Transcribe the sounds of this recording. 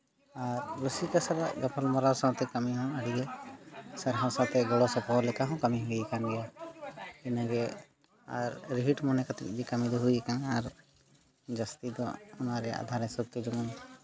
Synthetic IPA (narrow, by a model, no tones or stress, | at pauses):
aɾɾusikasaɾa̰ɡapʰalmɔɾaɾsãwt̪ɛkɐmiɦɔ̃əɽiɡɛ | saɾɦãsat̪ʰɛɡɔɽɔsɔpɔɦlɛkaɦɔ̃kɐmiɦujɛkanɡɛja | inaɡɛ | a̰ɾːiɦiʈmɔnɛkat̪k̚d͡ʒikɐmid̪ɔɦujɛkanaɾ | d͡ʒast̪id̪ɔunaɾɛa̰d̪ʱaɾɛsut̪ːed͡ʒɔman